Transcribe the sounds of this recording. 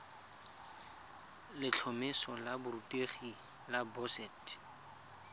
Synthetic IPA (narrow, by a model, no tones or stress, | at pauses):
lɪt͡ɬʰɔmɪsɔlabʊrutʼeχi | labɔsɛt